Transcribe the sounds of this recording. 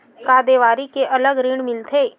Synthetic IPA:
kaːd̪eːʋaːɾikeʔɐləɡɾiːɽmɪlt̪ʰeː

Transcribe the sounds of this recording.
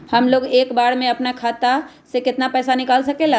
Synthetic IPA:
həmloːɡeːkbaːɽmẽɐpnakʰaːt̪a | sekɪt̪napɛːsanɪkaːlsɐkela

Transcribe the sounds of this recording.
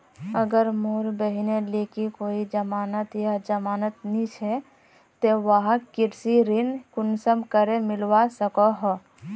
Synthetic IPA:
əɡəɾmoːɾbəɦinelekikoːid͡ʒəmaːnət̪jad͡ʒəmaːnət̪nĩt͡ʃʰɛ | t̪eʋəɦãkiɾsiɾinkʊnsəmkəɾemɪlwasəkɔɦɔ

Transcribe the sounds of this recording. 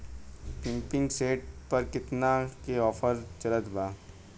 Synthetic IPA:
pɪ̃mpɪ̃ŋɡseːʈ̚pɐɾkɪt̪nakeɔːfəɾt͡ʃɐɾət̪baː

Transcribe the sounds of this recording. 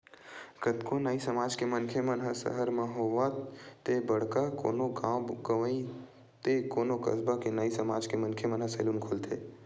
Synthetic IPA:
kət̪konaisɐmaːd͡ʒkemənkʰemənɦəsə̰ɦəɾmɐɦoʋat̪ːebəɽkako̰ːnoɡaɡəʋəi | t̪ekoːnokɐ̰sbakenaːisɐmaːd͡ʒkemənkʰemənɦəseːlunkʰoːlt̪ʰeː

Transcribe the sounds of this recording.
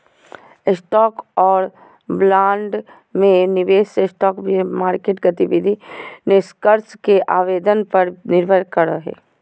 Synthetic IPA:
ɪsʈɔːkɔːɾ | blãːɳɖ | mẽnɪʋeːsesʈɔːkbʱimaːɾkeːʈɡɐt̪iʋɪd̪ʱineskəɾskeʔaːʋeːd̪ənpɐɾnɪɾbʱəɾkɐɾaɦɛ̰ː

